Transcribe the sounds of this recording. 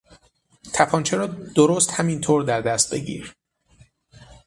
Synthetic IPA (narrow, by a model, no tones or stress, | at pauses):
t̪ʰæpʰɒːnt͡ʃʰeɾɒːd̪̥oɾoːst̪hæmint̪ʰoːɾd̪æɾd̪æst̪̚be̞̰ɟḭːɾ